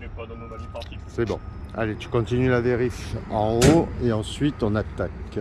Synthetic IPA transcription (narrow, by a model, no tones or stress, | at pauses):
sɛbɔ̰̃a̰let̪y̥kɔ̃t̪inylad̪eʁifɑ̃oeɑ̃sɥit̪ɔ̃nat̪ak